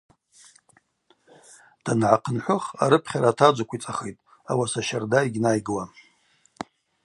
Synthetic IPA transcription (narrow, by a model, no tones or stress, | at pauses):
d̥anʕaqʰənħʷʊχa̰ɾɨpʰχʲaɾatʰad͡ʒʷakʷʰit͡sʼaχejtʼ | a̰wasaʃardaiɡʲnajɡɨla